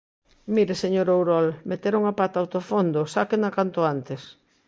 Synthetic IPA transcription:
miɾeseɲoɾowɾɔlmet̪eɾuŋapat̪awt̪ofond̪osakenakant̪ʊant̪es

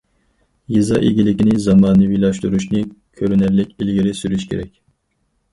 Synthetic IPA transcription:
jizɑ̰ʔḭɡʲilɪkʲinɪzɑmɑːnɨwilˠɑʃt̪uɾuʃnɨkʲʰøɾynæɾlɪkʲilɡʲiɾɪsyɾyʃkʲʰḛɾɛkʲ

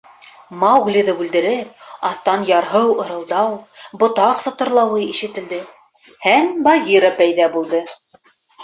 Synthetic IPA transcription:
mɑwɡlʲiðɤbʉld̪ɘ̆ɾɘp̚ɑθt̪ɑnjɑɾɦɤwɤ̆ɾɤ̆lˠd̪ɑwbŏt̪ɑqsŏt̪ɤ̆ɾlˠɑwɤiʃɘ̆t̪ɘ̆ld̪ɘ | hæmbɑɡʲiɾapæjðæbulˠd̪ɤ

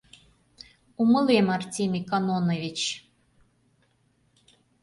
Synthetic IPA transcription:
umə̆lemɑrtʲimʲikɑnonovʲit͡ɕ

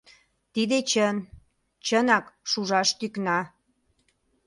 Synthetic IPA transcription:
t̪id̪et͡ɕən | t͡ɕənɑkʃuʒɑʃt̪yknɑ

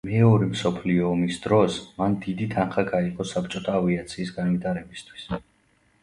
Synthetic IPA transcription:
mɛɔɾimsɔpʰliɔːmisd̪ɾɔsmand̪id̪it̪ʰanχaɡaiqʼɔsap̚t͡ʃʼɔt̪ʰaːviat̪sʰiːsɡanvit̪ʰaɾɛbist̪ʰwi̥s

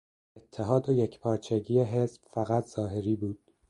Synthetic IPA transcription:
et̪ʰːeɦɒːd̪ojecʰpʰɒːɾt͡ʃʰeɟiːjeɦe̞sb̥fæɣæt̪ʰz̥ɒːɦe̞ɾiːbuːd̪̥

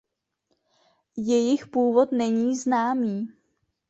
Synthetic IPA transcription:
jɛjɪxpuːvo̞t̪nɛɲiːznaːmiː

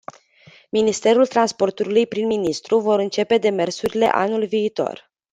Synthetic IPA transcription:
minist̪e̞ɾult̪ɾanspo̞rt̪uɾilujpɾinminist̪ɾuvo̞ɾɨnt͡ʃe̞pe̞d̪e̞me̞rsuɾile̞̰ʔa̰nulviːt̪o̞̰r

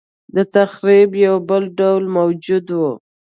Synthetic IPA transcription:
d̪ət̪axɾibjawbəlɖawlmawd͡ʒud̪wu

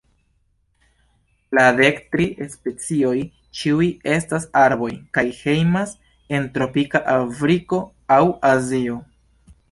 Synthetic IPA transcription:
lade̞ktɾiʔespe̞t͡sio̞j | t͡ʃiuje̞stasaɾbo̞jkajhe̞jmas | e̞ntɾo̞pikaʔafɾiko̞ | awazio̞

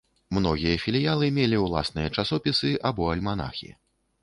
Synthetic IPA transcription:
mnɔɣʲijɐfʲilʲijalˠɨmʲelʲiwlˠa̰snɨjɐt͡ʂasɔpʲisɨʔabɔɐlʲmana̰xʲḭ

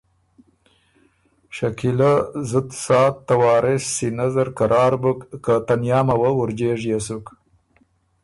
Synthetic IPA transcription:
ʃakilazəd̪sɑːt̪ːawɑːɾɪsːinazəɾkaɾʔɑːɾbukːat̪anjɑːmawəwuɾd͡ʒeʐjesuk

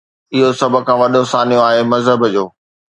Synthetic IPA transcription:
ɪɦosɐbʱʊ̆kʰãːʋɐɗosaːnijõaːɦemɐzɦəbd͡ʑoː

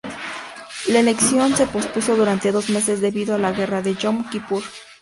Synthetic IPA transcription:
laele̞ksjo̞nse̞po̞spuso̞ðuɾant̪e̞ðo̞zme̞se̞zðe̞βiðoalaɣe̞raðe̞ʝomkipuɾ

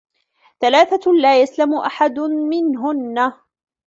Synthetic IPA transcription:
θalaːθalaːjaslamʊʔaħad̪mɪnɦʊnːa

